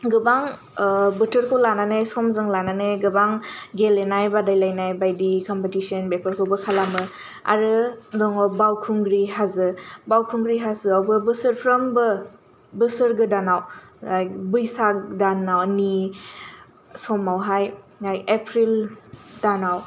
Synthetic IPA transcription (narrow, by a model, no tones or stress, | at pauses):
ɡɯbaŋ | bɯtʰɯɾkʰɯlananɯsɔmzɯŋlananɯɡɯbaŋɡelenajbadajlajnajbajdikɔmpetisiɔnbepʰəɾkʰɯbɐkʰalamɯ | a̰ɾɯdɔŋɔbawkʰuŋɡɾiɦazɯbawkʰuŋɡɾiɦazɯawbɯbɯsɯɾpʰɾɐmbɯ | bɯsɯɾɡɯdanaw | ajbɯjsak̚danːawni | sɔmawɦaj | ŋajepʰɾildanaw